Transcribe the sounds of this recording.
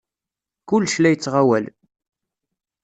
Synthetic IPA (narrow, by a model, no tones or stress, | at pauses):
kʊlːʃlæjət͡sːʁawæl